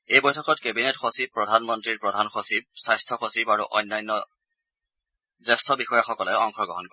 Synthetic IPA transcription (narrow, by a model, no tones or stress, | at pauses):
ejbɔjtʰɔkɔtkebinetxosib̚pːɹɔdʱanmɔntɹiɹpɹɔdʱanxosib̚sajstʰɔxosibaɹuʔɔjnːajnːɔ | zɛstʰɔbixɔjaxɔkɔlɛɔŋxʰɔɡɔɦɔnkɔ